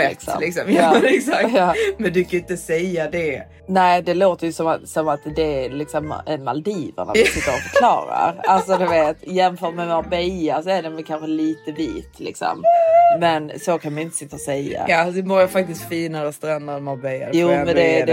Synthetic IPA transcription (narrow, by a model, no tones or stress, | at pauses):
ɛɪksɔ̰lɪksɔmjɑːɛsakɑːmɛnd̪ʉkajɪnt̪əsɛjad̪ɛ | næɪd̪ɛloːt̪əɾjɵsɔmasɔmat̪d̪ɛælɪksɔmɛnma̰ld̪iːvə̰na̰sɪt̪ːəɾɔfœɾkʰlɑ̰ːɾa̰ɾalsɔd̪ɵveːt̪ɪjɛnfœːʈmɛmaɾbɛjasɔæɖɛnvɛlkʰanɧəliːt̪əvḭːt̪lɪ̰ksɔ̰mːɛnsokʰanmajɪnt̪ə̥sɪt̪ːəɾɔsɛjːa̰jɑd̪ɛmɔɾjafak̚t̪ɪskt̪fiːnaɾɛst̪ɾand̪aɾmaɾbɛja̰juːmɛnd̪ɛɛ